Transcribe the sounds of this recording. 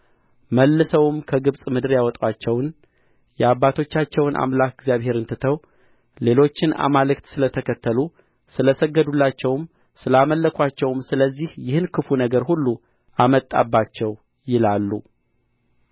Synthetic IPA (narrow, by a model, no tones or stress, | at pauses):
məlːɨsəwɨmkʰəɡɨβsʼmɨd̪ɨɾjawɔt̪ʼwat͡ʃːɛwn | jɛabːat̪ʰo̞t͡ʃːat͡ʃːɛwnʔa̰mlakɪɡzjaβhe̞ɾɨnt̪ʰɨt̪ʰəw | le̞lo̞t͡ʃːɪna̰malɨkt̪sɨlət̪ʰəkʰət̪ʰːəlu | sɨləsəɡːəd̪ulːat͡ʃːɛwm | sɨlaməlːəkʷʰat͡ʃːɛwmsɨləzːihjɪhɨnkʰɨfunəɡəɾhulːu | ʔamət̪ʼːa̰bːat͡ʃːɛw | jɪlalːu